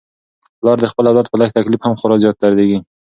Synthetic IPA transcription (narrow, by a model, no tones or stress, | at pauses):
blˠɒɾd̪eχbɪlˠawlˠat̪̚bʊlˠak̚ʲt̪ʰakʲlɪfhamχʊɾɒzjɒt̪ːaɾd̪eɡʲɪ